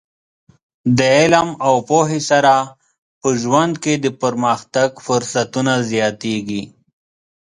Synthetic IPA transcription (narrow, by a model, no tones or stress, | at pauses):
d̪əɪlamawpoɦesaɾa | pəʒwand̪ked̪əpəɾməxt̪aɡfʊɾsat̪unazjɑt̪eɡi